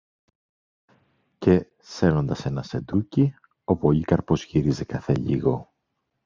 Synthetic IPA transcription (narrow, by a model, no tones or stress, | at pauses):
ce̞ | se̞ɾno̞nd̪ɐse̞nɐse̞d̪uci | o̞po̞ʎikɐɾpo̞sçiɾizekɐθḛʎḭɣo̞